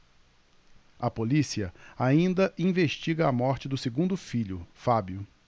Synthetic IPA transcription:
ɐpolisiɐaĩnd̪ɐʔĩveʃt͡ʃiɡɐːmɔɾt͡ʃɪd̪ʊseɡũnd̪ʊfiʎʊfabjʊ

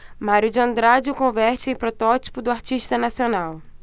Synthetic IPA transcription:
maɾjʊd͡ʒɪɐ̃nd̪ɾad͡ʒɪʊkõvɛɾt͡ʃɪẽj̃pɾot̪ɔt͡ʃi̥pʊd̪ʊaɾt͡ʃiʃt̪ɐnasionaw

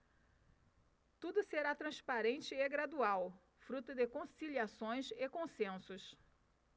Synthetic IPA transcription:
t̪ud̪ʊseɾat̪ɾɐ̃spaɾẽnt͡ʃɪːɡɾad̪uaw | fɾut̪ʊd̪ɪkõsiliasõj̃sekõsẽsʊs

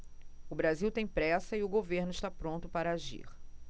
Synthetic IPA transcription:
ʊbɾaziwt̪ẽj̃pɾɛsɐɪʊɡoveɾnʊɪst̪apɾõnt̪ʊpaɾɐaʒḭχ

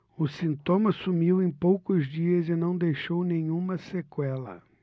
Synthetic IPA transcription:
ʊsĩnt̪õmɐsumiwẽj̃powkʊzd͡ʒiɐzɪnɐ̃w̃d̪ejʃownẽɲũmɐsekwɛlɐ̰

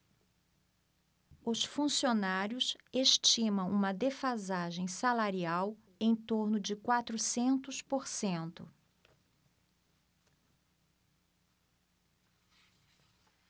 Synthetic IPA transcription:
ʊsfũsionaɾjʊseʃt͡ʃĩmɐ̃w̃ʔũmɐd̪efazaʒẽj̃salaɾiaw | ẽj̃t̪oɾnʊd͡ʒɪkwat̪ɾʊsẽnt̪ʊspoɾsẽnt̪ʊ

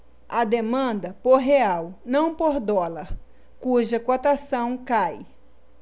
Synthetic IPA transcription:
ɐd̪emɐ̃nd̪ɐpoɾɦeawnɐ̃w̃poɾd̪ɔlɐɾ | kuʒɐkot̪asɐ̃w̃kaj

